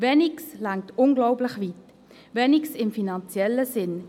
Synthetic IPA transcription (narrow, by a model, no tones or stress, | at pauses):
vɛnikslaŋ̚tʊnɡlɔʊblɪχviːt | vɛniksɪmfinant͡sjɛləsɪn